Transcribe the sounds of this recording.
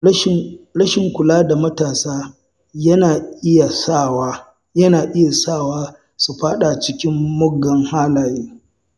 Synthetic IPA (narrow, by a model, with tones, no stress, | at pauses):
ɾɐ˦ʃɪ˨ŋkʷʊ˨laː˦da˨mɐ˦taː˨saː˦ | jɐ˦naː˨ʔɪ˦ja˨sa˦˨wa˦ | jɐ˦naː˨ʔɪ˦ja˨saː˦˨waː˦ | su˨ɸaː˦ɗa˨t͡ʃɪ˦kʲɪ˦mːʊ˦ɡːɐ˨˦ŋhaː˦laː˨jeː˦